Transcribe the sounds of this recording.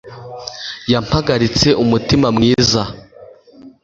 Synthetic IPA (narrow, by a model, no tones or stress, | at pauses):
jam̥haɡaɾit͡se̞ʔumutimamŋiːza